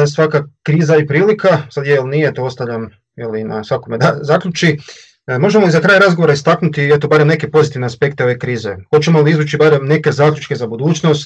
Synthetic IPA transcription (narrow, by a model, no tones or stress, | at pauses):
sʋakakɾiːzaipɾiːlikasad̪jejelnijet̪oo̞st̪aʋʎʲam | jelina̰sʋakomed̪azaːkʎut͡ʃi | mo̞ʒemoizakɾaːjaɾazɡo̞ʋoɾaist̪aknut̪iet̪o̞baɾemne̞kepo̞zit̪iʋneaspe̞k̚t̪eo̞ʋe̞kɾiːze̞xot͡ʃemolˠiizʋuːt͡ʃibaɾemne̞ke̞zaːkʎʲut͡ʃke̞zabud̪uːt͡ʃno̞st̪